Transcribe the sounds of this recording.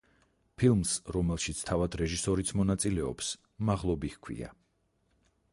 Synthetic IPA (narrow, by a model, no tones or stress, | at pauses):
pʰilˠmsɾɔmɛlˠʃit̪sʰt̪ʰavad̪ɾɛʒisɔɾit̪sʰmɔnat̪sʼilɛɔ̰ps | maʁlˠɔbikʰwḭa̰